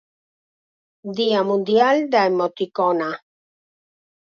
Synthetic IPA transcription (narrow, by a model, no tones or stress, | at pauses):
d̪iamũnd̪jald̪aemot̪ikona